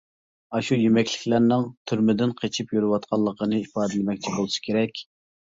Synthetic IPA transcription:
ɑʃujymɛkʲlɪ̥kʲlæɾnɪŋt̪ʰyɾmɪd̪ɪnqʰet͡ʃʰipjyɾɨwɑt̪qʰɑlˠːəqənɨipɑːd̪ɨlɪmɛk̚ʲt͡ʃʰibolˠɨʃɨ̥kʲʰeɾɛkʲ

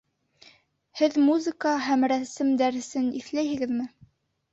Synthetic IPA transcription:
hɘðmuzɨkəɦæmɾæsɘmd̪æɾɘ̆sɘniθlæjhɘ̆ɡɘðmɘ

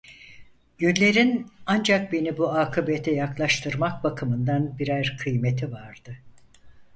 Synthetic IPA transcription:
jynlʲe̞ɾinand͡ʒak̚be̞nibuaːkʰɯbet̪ʰɛjaklˠaʃt̪ʰɯɾmak̚bakʰɯmɯnd̪anbiɾæɾkʰɯjme̞t̪ʰivaɾd̪̥ɯ

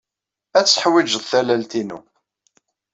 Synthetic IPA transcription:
æt͡sːə̥ħwid͡ʒəðθælælt̪inṵ

